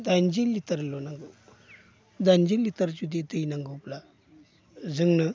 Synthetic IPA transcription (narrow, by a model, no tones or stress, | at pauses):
d̪and͡ʑilːit̪əɾlonaŋɡəw | d̪and͡ʑilːit̪əɾt͡ʃud̪it̪əjnaŋɡəwpla | d͡zəŋɡnə